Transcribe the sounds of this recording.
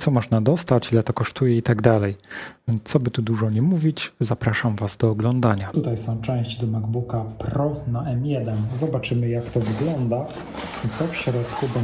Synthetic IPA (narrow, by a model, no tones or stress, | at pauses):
t̪sɔmɔʐnad̪ɔst̪at͡ɕilɛt̪ɔkɔʂt̪ujɛit̪aɡd̪alɛjnt̪sɔbɘt̪ud̪uʐɔɲɛmuvʲit͡ɕzapɾaʂamvazd̪ɔːɡlɔnd̪aɲat̪ut̪ajsɔ̃w̃t͡ʂɛ̃w̃ɕd͡ʑd̪ɔmaɡbukapɾɔnaʔɛmjɛd̪ɛnzɔbat͡ʂɘmɘjakt̪ɔvɘɡlɔnd̪a | t̪sɔfɕɾɔt̪kubɔ